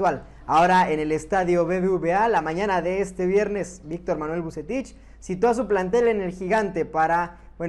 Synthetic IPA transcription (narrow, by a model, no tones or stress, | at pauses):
wal | aoɾaene̞le̞st̪aðjo̞βeβeuβealamãɲãnaðe̞est̪eβje̞ɾne̞sbik̚t̪o̞ɾmanwe̞lβuse̞t̪it͡ʃ | sit̪oas̬uplant̪̬e̞le̞ne̞lxiɣant̪e̞paɾa | bwe